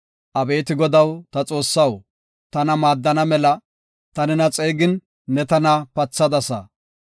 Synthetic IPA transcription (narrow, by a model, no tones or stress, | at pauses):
ʔɐbe̞ːt̪ɪɡɔd̪ɐwt̪ɐt͡sʼo̞ːsːɐw | t̪ɐnɐmaːd̪ːɐnɐmɛlɐ | t̪ɐnɪnɐt͡sʼeːɡɪnː | ɛt̪ɐnɐpɐt͡sːɐd̪ɐsɐ̰